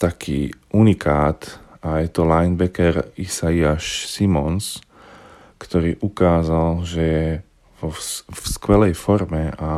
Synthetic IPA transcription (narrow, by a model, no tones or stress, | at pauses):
t̪akʰḭːʔunikʰaːt̪ajɛt̪ɔlajnbɛkɛɾisaiaʃsimɔns | kt̪ɔɾiːʔukaːzalʒɛjɛ | ɔskʋɛlɛjfɔɾmɛa